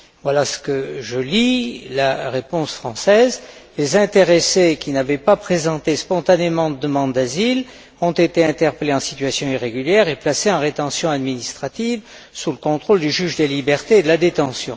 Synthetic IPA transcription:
vwalasə̥kəʒəlilaʁepɔ̃sfχɑ̃sɛzlezɛ̃t̪eʁesekʲinavɛpapχezɑ̃t̪espɔ̃t̪anemɑ̃d̪əd̪əmɑ̃d̪d̪azil | ɔ̃t̪et̪eɛ̃t̪ɛʁpəleɑ̃si̥t̪ɥasjɔ̃iʁeɡʲyljɛʁeplaseɑ̃ʁet̪ɑ̃sjɔ̃ad̪minist̪χat̪iv | suləkɔ̃t̪χold̪yʒyʒd̪əlibɛʁt̪eːd̪əlad̪et̪ɑ̃sjɔ̃

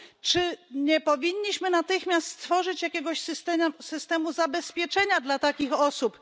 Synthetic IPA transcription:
t͡ʂɘɲɛpɔvʲiɲːiɕmɘnat̪ɘxmʲjast̪st̪fɔʐɘt͡ɕjakʲɛɡɔɕsɘst̪ɛsɘst̪ɛmuzabɛspʲjɛt͡ʂɛɲad̪lat̪akʲixɔsup

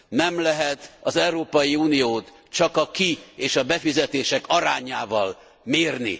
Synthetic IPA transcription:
nɛmlɛɦɛt̪ɒzɛuɾoːpɒjiuːnijoːt̪ | t͡ʃɒkɒkieːʃɒbɛfizɛt̪eːʃɛkɒɾaːɲaːvɒl | meːrnḭ

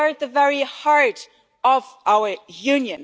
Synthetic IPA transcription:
əɹd̪̚ðəvɛɹihɑɹɾ | əvaʊə˞jʉ̃njɨ̃n

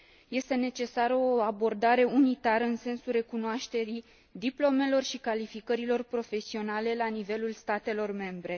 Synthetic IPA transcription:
je̞st̪e̞ne̞t͡ʃe̞saɾəoabo̞rd̪aɾe̞unit̪aɾəɨnse̞nsulre̞kunoaʃt̪e̞ɾi | d̪iplo̞me̞lo̞rʃikalifikəɾilo̞rpɾo̞fe̞sio̞nale̞lanive̞lulst̪at̪e̞lo̞rme̞mbɾe̞

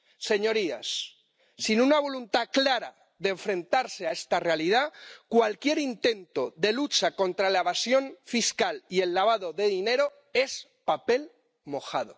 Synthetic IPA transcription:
se̞ɲo̞ɾia̰sː | inunaβ̞o̞lunt̪aklaɾa̰ | ðeeɱfɾẽ̞nt̪aɾseae̞st̪are̞alið̞akwalkje̞ɾint̪e̞nt̪o̞ðe̞lut͡ʃako̞nt̪ɾalaeβ̞asjo̞ɱfiskalie̞lːaβ̞aðo̞ðe̞ðine̞ɾo | e̞spape̞l | mo̞xað̞o̰

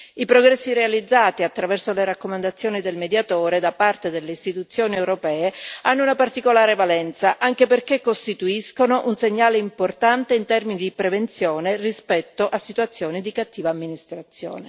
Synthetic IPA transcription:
ipɾoɡɾɛsːiɾealid̪zːaːt̪iat̪ːɾavɛrsoleɾakːomand̪at̪sːjoːnid̪elmed̪jat̪oːɾed̪apart̪ed̪elːeist̪it̪ut̪sːjoːniewɾopɛːeanːounapart̪ikolaːɾevalɛnt̪saʔaŋkeperk̟ekːost̪it̪uiskonoʔunseɲːaːleimport̪ant̪eint̪ɛrminid̪ipɾevent̪sjoːnerispɛt̪ːoʔasːit̪uat̪sːjoːnid̪ikat̪ːiːvaːmːinist̪ɾat̪sːjo̰ːne

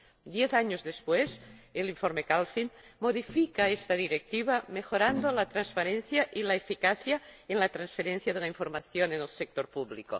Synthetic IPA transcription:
d̪jeθaɲozðespweseliɱfoɾmekalfinmoðifikaest̪aðiɾek̚t̪iβ̞amexoɾand̪olat̪ɾanspaɾenθjaʔilaefikaθjaenlat̪ɾansfeɾenθjaðelaiɱfoɾmaθjonenelsek̚t̪oɾpuβliko̰

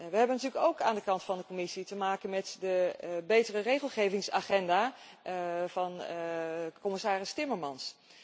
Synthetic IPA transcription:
ʋəɦɛbənɑtyːləkowkaːndəkɑntfɑndəkomɪsitəmaːkənmɛtdəbejtərərejχəlˠχejvɪŋsaːχɛndaː | v̥ɑn | kɔmɪsaːrɪstɪməɹmɑns

